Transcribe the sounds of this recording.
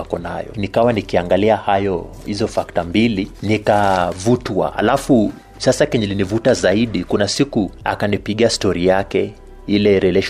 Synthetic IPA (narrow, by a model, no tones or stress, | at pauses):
akɔna̰jɔ̰nikawanikiaŋɡaliahajɔ | hizɔfaktambilinikavutwa̰ha̰lafu | sasakɛɲɛlinivutazaiɗikunasikua̰kanipiɠiastɔɾijakɛ | ilɛɾɛlɛʃ